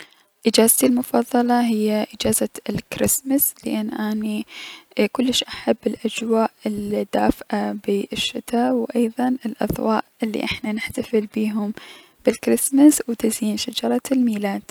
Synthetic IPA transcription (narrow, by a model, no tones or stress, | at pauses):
ʔɪd͡ʒaːzt̪ilmʊfɑðˤːɑlɑɦɪjːaʔɪd͡ʒaːzaɪlkɾɪsmaslɪʔanːʔani | kʊlːɪʃʔaħabːɪlʔad͡ʒwaːʔɪld̪ːaːfʔabiʔʃːɪt̪aːwʔɑjðˤɑnɪlʔɑ̰ðˤwa̰ːʔʔɪlːḭʔɪħnanɪħt̪afɪlbiːɦʊm | b̥ɪlkɾɪsmaswt̪ɪziːnʃad͡ʒɑɾˤɑlmiːlaːd̪̥